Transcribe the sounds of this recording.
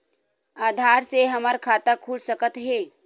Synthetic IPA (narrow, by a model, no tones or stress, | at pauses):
aːd̪ʱaɾseɦəməɾkʰat̪akʰuːɽsəkət̪ɦe